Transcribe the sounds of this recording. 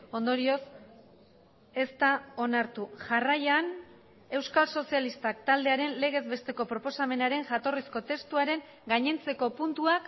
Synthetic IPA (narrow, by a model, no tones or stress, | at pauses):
o̞nd̪o̞ɾio̞s | e̞st̪ao̞naɾt̪uʝarajan | e̞wskalso̞sialist̪akt̪ald̪e̞aɾe̞nle̞ɣ̞e̞zβe̞st̪e̞ko̞pɾo̞po̞same̞naɾe̞ŋʝat̪o̞risko̞t̪e̞st̪uaɾe̞ŋ | ɡaɲe̞nt͡se̞ko̞punt̪uak